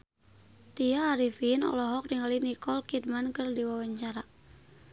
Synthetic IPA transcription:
t̪iaːɾifinɔ̰lɔɦɔk̚diŋalinikɔlkid̚mankɨrdiwawaɲt͡ʃaɾa

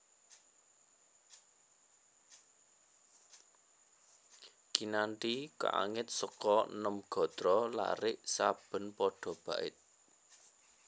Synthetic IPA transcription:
kinanʈika̰ʔa̰ŋɪt̪̚səkɔnəmɡ̥ɔ̤d̪̥ɾɔla̰ɾɪʔsab̥ə̤npɔɖ̥ɔ̤b̥ä̤ʔɪ̰t̪̚

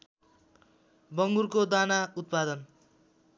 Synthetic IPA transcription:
bʌŋɡurkod̪anaut̪̚pad̪ʌn

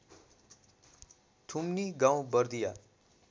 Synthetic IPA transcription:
t̪ʰumniɡãw̃bʌrd̪ija

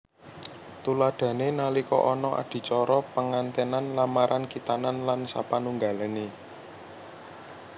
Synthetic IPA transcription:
t̪ulaɖ̪̥ä̤nenalikɔ̰ʔɔnɔʔa̰ɖ̪̥i̤t͡ʃɔɾɔpəŋant̪ənanlamaɾʔankit̪ananlansa̰panuŋɡa̤lane

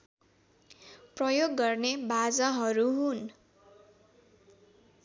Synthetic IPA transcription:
prʌjoɡːʌrnebad͡zʌɦʌɾuɦun

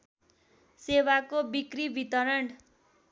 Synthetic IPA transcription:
sewakobikribit̪ʌɾʌɳ

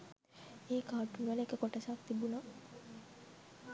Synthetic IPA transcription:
eːkaːʈunʋenekəkoʈəsak̚t̪ibuna

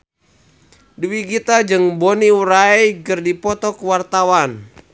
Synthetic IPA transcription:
diwiɡit̪ad͡ʒɨŋboniuɾaikɨrdipɔt̪ɔkwart̪awan

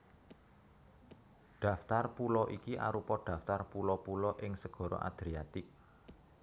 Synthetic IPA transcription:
ɖ̥a̤ft̪arpulɔʔikiʔa̰ɾupɔɖ̥ä̤ft̪arpulɔpulɔʔɪŋsəɡ̥ɔ̤ɾɔ̰ʔa̰d̪̥ɾiat̪ɪk̚

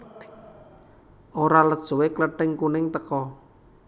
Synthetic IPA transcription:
ʔoɾaləd̥ʒ̥owekləɖ̥ɛŋkunɪŋt̪əkɔ

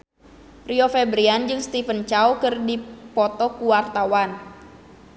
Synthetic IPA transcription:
riofɛbɾiand͡ʒɨŋst̪ifənt͡ʃawkɨrdipɔt̪ɔkuwart̪awan

